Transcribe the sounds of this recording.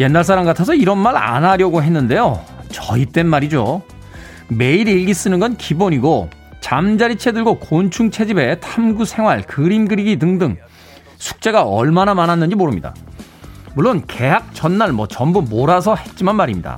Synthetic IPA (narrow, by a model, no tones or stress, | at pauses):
je̞nːaɭs̬͈ʰaɾamɡatʰasʰʌiɾʌnmaɾa̰nɦaɾjʌɡoɦe̞nːɯnde̞jot͡ɕʌit͈e̞nmaɾid͡ʑo | me̞iɾiɭɡis͈ɯnɯnɡʌnkiboɲiɡo | t͡ɕamd͡ʑaɾit͡ɕʰe̞dɯɭɡokont͡ɕʰuŋt͡ɕʰe̞d͡ʑibe̞tʰamɡusʰe̞ŋɦwaɭkɯɾimɡɯɾiɡidɯŋdɯŋ | sʰu̥k̚t͡ɕ͈e̞ɡaʌ̰ɭmanamanɦanːɯnɲd͡ʑimoɾɯmɲida̰ | muɭːonke̞ɦak̚t͡ɕʌnːaɭmwʌt͡ɕʌmbumoɾas̬ʰʌhe̞t̚t͡ɕ͈imanmaɾimɲida̰